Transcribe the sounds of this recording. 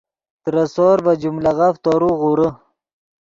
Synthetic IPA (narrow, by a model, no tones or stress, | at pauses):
t̪ɾasoːɾbad͡ʒumlaɣaft̪oɾuɣuɾə